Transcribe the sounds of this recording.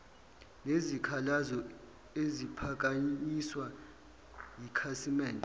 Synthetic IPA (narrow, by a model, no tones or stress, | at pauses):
nezikʰalazɔ | ezipʰak̬aɲiswa | jikʰasimɛːndʱʼɛ